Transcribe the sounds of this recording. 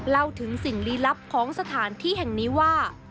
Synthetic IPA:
la˧wt̪ʰɯ˩˦ŋsi˨˩ŋliː˦˥la˦˥p̚kʰɔː˩˦ŋsa˧t̪ʰaː˩˦nt̪ʰiː˥˩hɛ˨˩ŋniː˦˥waː˥˩

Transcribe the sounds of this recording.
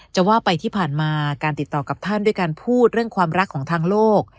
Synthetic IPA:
t͡ɕa˨˩waː˥˩pa˧jt̪ʰiː˥˩pʰaː˨˩nmaː˧kaː˧nt̪i˨˩t̪ːɔː˨˩ka˨˩p̚t̪ʰa˥˩ndu˥˩əjkaː˧npʰuː˥˩t̪̚ɾɯ˥˩əŋkʰwaː˧mɾa˦˥kʰːɔː˩˦ŋt̪ʰaː˧ŋloː˥˩k̚

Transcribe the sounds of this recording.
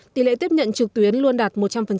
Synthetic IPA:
t̪i˨˦lḛ˧˨t̪i˦˥əp̚ɲə̰˧˨nt͡ɕɨ˨˩k̚t̪wi˨˦ənlu˧ənɗaː˨˩t̚mo˨˩t̚t͡ɕa˧mfə˨˩n

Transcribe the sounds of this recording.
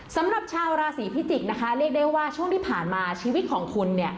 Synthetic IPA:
sa˩˦mɾa˨˩p̚t͡ɕʰaː˧wɾaː˧siː˩˦pʰi˦˥t͡ɕ̪i˨˩k̚na˦˥kʰa˦˥ɾi˥˩ək̚daː˥˩jwaː˥˩t͡ɕʰu˥˩əŋt̪iː˥˩pʰaː˨˩nmaː˧t͡ɕʰiː˧wi˦˥t̪̚kʰɔː˩˦ŋkʰu˧nːi˥˩ɐ

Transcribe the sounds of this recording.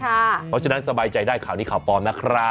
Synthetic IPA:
a˥˩pʰɔ˦˥t͡ɕʰa˧na˦˥nsa˧baː˧jt͡ɕa˧jdaː˥˩jkʰaː˨˦wniː˥˩kʰaː˨˩wpɔː˧nna˦˥kʰɾaː˦˥

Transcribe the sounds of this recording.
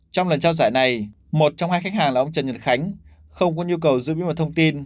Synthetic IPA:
t͡ɕɔ˧wlə˨˩nt͡ɕaː˧wzaː˧˩jna˨˩j | mo˨˩t̚t͡ɕɔ˧wŋ͡mhaː˧jxa˦˥k̚haː˨˩laː˨˩ʔə˧ŋ͡mt͡ɕə˨˩nɲə̰˨˩n̚xa˨˦jŋ̟ | xə˧wŋ͡mk̬ɔ˨˦ɲu˧əkə˨˩wzɨ̰˧˥˦i˨˦ma˨˩t̪ʰə˧ŋ͡mt̪i˧n

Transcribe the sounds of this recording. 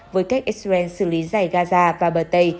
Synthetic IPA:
vəː˨˦jka˦˥k̚ʔi˦˥sɛ˧nsɨ̰˧˩li˨˦za˨˧˩jɣaː˧zaː˧vaː˨˩ɓəː˨˩t̪ə˧j

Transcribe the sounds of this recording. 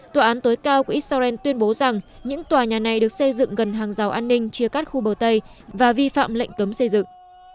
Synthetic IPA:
t̪waː˨˩ʔaː˨˦nt̪o˨˦jkaː˧wku˧˩ʔi˦˥t̚sa˧zɛ˧nt̪wi˧ənɓo˨˦za˨˩ŋ | ɲɨ̰˧˥ŋt̪waː˨˩ɲaː˨˩na˨˩jɗɨ˨˩ək̚sə˧jzɨ̰˧˨ŋɣə˨˩nɦaː˨˩ŋza˨˦wʔaː˧nːï˧ŋ̟t͡ɕɨ˧əkaː˦˥k̚xu˧ɓəː˨˩t̪ə˧j | vaː˨˩vi˧fa̰ː˧˨mlə̰˧˨jŋ̟kə˨˦msə˧jzɨ̰˧˨ŋ

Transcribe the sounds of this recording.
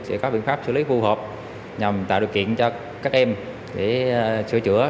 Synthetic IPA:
sɛ̰˧˥kɔ˨˦ɓḭ˧˨ənfaː˦˥p̚sɨ˧˩li˨˦fu˧ɦəː˨˩p̚ | ɲa˨˩mt̪a̰ː˧˨jɗḭ˧˨˩wkḭ˧˨ənt͡ɕɔ˧ | kaː˦˥k̚ʔɛ˧m | ɗe˧˩sɨ̰˧˩ət͡ɕɨ̰˧˩ə

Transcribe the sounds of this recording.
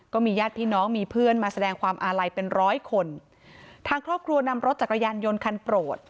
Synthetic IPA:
kɔː˥˩miː˧jaː˥˩t̪̚pʰiː˥˩nɔː˦˥ŋmiː˧pʰɯ˥˩ənmaː˧sa˧dɛː˧ŋkʰwaː˧mʔaː˧ɾa˧jpe˧nɾɔː˦˥jkʰo˧n | t̪ʰaː˧ŋkʰɾɔː˥˩p̚kʰɾu˧ɐna˧mɾo˦˥t̪̚t͡ɕa˨˩k̚ːa˧jaː˧njo˧nkʰa˧npɾoː˨˩t̪̚

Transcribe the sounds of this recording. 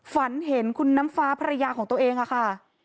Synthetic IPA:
fa˩˦nɦe˩˦nkʰu˧nːa˦˥mfaː˦˥pʰa˧ɾa˧jaː˧kʰɔː˩˦t̪əʔeː˧ŋʔa˧˩kʰa˥˩

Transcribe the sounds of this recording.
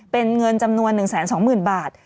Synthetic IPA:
pe˧nŋɤ˧nt͡ɕa˧mnu˧ənːɯ˨˩ŋsɛː˩˦nsɔː˩˦ŋmɯː˨˩nbaː˨˩t̪̚

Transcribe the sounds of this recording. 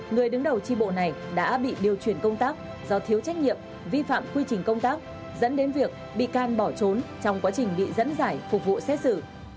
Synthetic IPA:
ŋɨ˨˩əjɗɨ˨˦ŋɗə˨˩wt͡ɕi˧ɓo̰˧˨na˨˩jɗa̰ː˧˥ɓḭ˧˨ɗi˨˩əwt͡ɕwi˧˩ənkə˧wŋ͡mt̪aː˦˥k̚ | zɔ˧˩t̪ʰi˨˦əwt͡ɕa˦˥jk̚ɲḭ˧˨əm | vi˧fa̰ː˧˨mkwi˧t͡ɕï˨˩ŋ̟kə˧wŋ͡mt̪aː˦˥k̚ | zə̰˧˥nɗe˨˦nvi˨˩ək̚ | ɓḭ˧˨kaː˧˩nɓɔ˧˩t͡ɕo˨˦nt͡ɕɔ˧wŋ͡mkwaː˨˦t͡ɕï˨˩ŋ̟ɓḭ˧˨zə̰˧˥nzaː˧˩jfʊ˨˩k͡p̚vṵ˧˨sɛ˦˥t̚sɨ˧˩

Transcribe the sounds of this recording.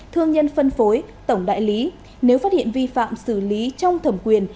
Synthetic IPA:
t̪ʰɨ˧əŋɲə˧nfə˧nfo˨˦jt̪ə˧˩wŋ͡mɗa̰ː˧˨jli˨˦ | ne˨˦wfaː˦˥t̚hḭ˧˨ənvi˧fa̰ː˧˨msɨ˧˩li˨˦t͡ɕɔ˧wŋ͡mt̪ʰə˧˩mkwi˨˩ən

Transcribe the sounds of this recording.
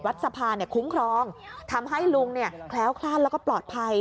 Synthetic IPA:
wa˦˥t̪̚sa˧pʰaː˧ni˥˩kʰu˦˥mkʰɾɔː˧˥ŋt̪ʰa˧mɦa˥˩jlu˧ŋni˥˩ɐkʰlɛː˦˥wkʰlaː˥˩nlɛː˦˥wkɔː˥˩plɔː˨˩t̪̚pʰa˧j

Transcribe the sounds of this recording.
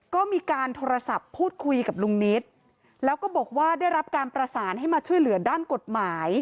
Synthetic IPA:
kɔː˥˩miː˧kaː˧nt̪ʰoː˧ɾa˧sa˨˩pʰːuː˥˩t̪̚kʰu˧jka˨˩p̚lu˧ŋni˦˥t̪̚ | lɛː˦˥wkɔː˥˩bɔː˨˩k̚waː˥˩daː˥˩jɾa˦˥p̚kaː˧npɾa˧saː˩˦nɦa˥˩jmaː˧t͡ɕʰu˥əjlɯ˨˩˦ɐdaː˥˩nko˨˩t̪̚maː˩˦j

